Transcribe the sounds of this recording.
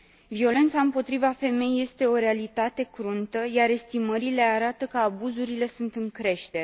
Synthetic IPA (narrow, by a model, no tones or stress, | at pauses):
vio̞le̞nt̪saɨmpo̞t̪ɾivafe̞me̞jje̞st̪e̞o̞ɾe̞alit̪at̪e̞kɾunt̪əjaɾe̞st̪iməɾile̞aɾat̪əkəabuzuɾile̞sunt̪ɨŋkɾe̞ʃt̪eɾ